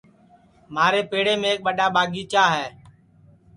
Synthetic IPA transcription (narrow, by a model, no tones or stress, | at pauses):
maːɾeːpeːɽeːmẽːk̚ɓəɗaːɓaːɡiːt͡ʃaːɦɛː